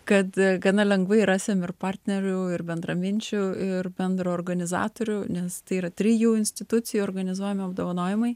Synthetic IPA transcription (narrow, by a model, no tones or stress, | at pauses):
kɐt̪ɡɐnɐlʲɛŋɡʋɐɪɾɑːsʲeːmɪrpɑrʲt̪ʲnʲɛɾʲʊɪrbʲɛnd̪rɐmʲɪnʲt͡ʃʲʊɪrbʲɛnd̪ɾooːrɡɐnʲɪzɑ̰ːt̪oːɾʲʊnʲɛst̪ɐɪiːɾɐt̪ʲɾʲɪjuːɪnʲsʲt̪ʲɪt̪ʊt̪t͡s̪ʲɪjuoːɾɡɐnʲɪzuɔjɛmʲɪɐbd̪oːʋɐnoːjɪmɐɪ